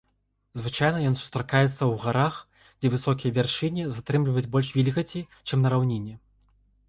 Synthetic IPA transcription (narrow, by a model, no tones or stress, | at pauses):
zvɨt͡ʂajnɐjɔnsu̥st̪ɾakajɛt̪sːɐwɣaɾax | d͡zʲɛvɨsɔkʲijɐvʲarʂɨnʲizat̪ɾɛmlʲivɐjud͡zʲbɔlʲʂvʲilʲɣɐt͡sʲi | t͡ʂɨmnɐɾawnʲinʲːɛ